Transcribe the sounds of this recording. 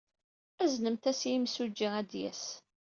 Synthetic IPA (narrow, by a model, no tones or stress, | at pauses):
æznəmt̪æsjimsud͡ʒːiæd̪jæ̰s